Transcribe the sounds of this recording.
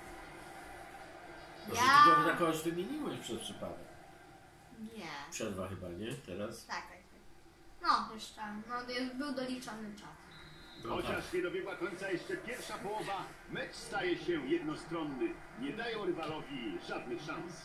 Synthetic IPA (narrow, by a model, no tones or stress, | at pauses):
nɔɛɛɾnakɔst̪ɨmʲeɲiwɛɕpʂɛspʂɘpa̰d̪ɛ̰k | ɲɛpʂɛɾvaxɘbaɲɛt̪ɛɾast̪akɛ | ɛ | nɔjɛʂt͡ʂɛnɔbɘwd̪ɔlʲit͡ʂɔnɨt͡ʂasɛm | xɔt͡ɕaʂɲɛd̪ɔbʲjɛɡwakɔɲt̪sajɛʂt͡ʂɛpʲjɛɾfʂapɔwɔva | mɛt͡ʂst̪ajɛɕɛjɛd̪nɔst̪ɾɔnːɘ | ɲɛd̪ajɛwɾɘvalɔvʲiʐad̪̚nɘxʂãñs